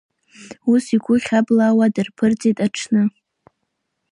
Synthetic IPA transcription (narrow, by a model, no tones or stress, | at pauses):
usiɡʷʊχʲablawadɨrpʰɨrt͡sʼetʼaʈ͡ʂʰnɨ